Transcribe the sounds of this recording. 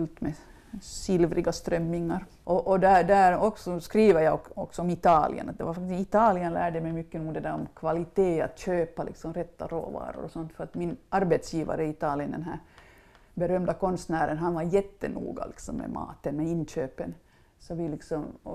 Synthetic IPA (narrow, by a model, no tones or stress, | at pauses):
lt̪mɛ | sɪlvɾɪɡast̪ɾœmːɪŋːaɾ | ʔɔʔɔd̪æd̪æɾɔksɔskɾiːʋəɾjɑɔɔksɔɔmɪt̪ɑːlɪ̰ə̰nat̪̚d̪ɛʋaɾfakt̪ɪsɪt̪ɑːlɪənlæ̰ːɖəmɛjmʏkːənuːd̪ɛd̪æːɾɔmkʰvalɪt̪eːa̰t̪ɕøːpalɪ̰ksɔmɾɛt̪ːaɾo̰ːvɑ̰ːɾʊ̰ɾɔsɔnt̪fœɾat̪mɪnɑɾbɛt̪sjiːva̰ɾəɪt̪ɑːlɪənd̪ɛ̰nɦæ̰ːɾ | bɛɾœmd̪akɔnst̪næːɾənɦanvɑɾjɛt̪ːə̰nṵːɡa̰lɪksɔmːɛ̰mɑ̰ːt̪ənmɛɪnːɕøːpən | sɔvɪlɪksɔm